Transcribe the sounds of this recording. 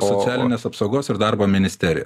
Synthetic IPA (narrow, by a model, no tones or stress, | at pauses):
sosʲæːlʲɪnʲeːsɐpsɒʊɡoːsɪɾd̪ɑɾboːmʲɪnʲɪsʲt̪ʲɛɾʲɪ̰jo